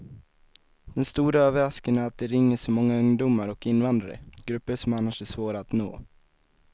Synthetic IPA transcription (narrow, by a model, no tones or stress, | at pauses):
d̪̥ɛnst̪uːɾaøːvəɾaskənaæɾat̪̚d̪ɛɾɪŋːəʂɔmɔŋːaɵŋd̪ʊmaɾɔkɪnːvand̪ɾaɾə̰ɡ̥ɾɵpːəʂɔmanːaʂæʂvoːɾaːt̪no̰ː